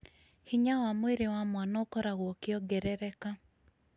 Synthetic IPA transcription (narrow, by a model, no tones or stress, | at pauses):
hɪɲawamweɾɪwamwanɔkɔɾaɣwɔkɪɔɡɛɾɛɾɛka